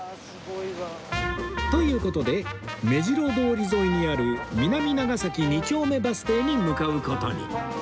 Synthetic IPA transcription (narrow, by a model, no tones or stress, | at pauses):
t̪o̞jɯ̟ːko̞t̪o̞d̪e̞me̞ʑiɾo̞d̪o̞ːɾʲizo̞iɲ̟iaɾɯ̟mʲinamʲinaɡasakʲiɲit͡ɕo̞ːme̞basɨ̥t̪e̞ːɲ̟imɯkaɯ̟ko̞t̪o̞̰ɲ̟ḭ